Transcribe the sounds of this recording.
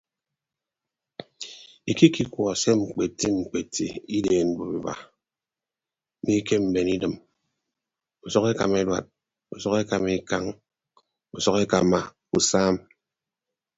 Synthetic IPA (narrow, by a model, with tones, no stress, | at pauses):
i˨ki˦ki˦kwɔ˨se˦ŋ͡m̩˨k͡pe˨tːi˦ŋ͡m̩˨k͡pe˨tʰːḭ˨i˦deː˨n̩˨bo˨bi˨ba̰˨˦ | ni˦ke˦m̩˨be˨ni˦dɨ˨m | u˨sɔ˦ke˦ka˨me˦dwa̰˨t̚ | u˨sɔ˦ke˦ka˨mi˦ka˦ŋ | u˨sɔ˦ke˦ka˨ma˨ | u˨saː˦m